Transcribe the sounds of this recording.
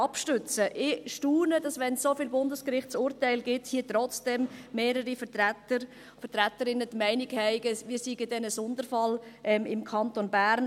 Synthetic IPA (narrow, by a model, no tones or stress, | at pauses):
ɑpʃtʉt͡səʔɪʃtuːnədɑsʋɛnsːofiːlbʊndəskɾɪχtt͡sʊːɾtæɪlɡɪthiːətɾɔt͡sd̥ɛmːeːɾəɾifətætə | fəɾtɾætəɾɪnətmɛɪnɪɡhɛɪɡəʋiːɾsiɡəd̥ɛnəsɔndəɾfɑlʔɛmɪmkʰɑntonbæːɾn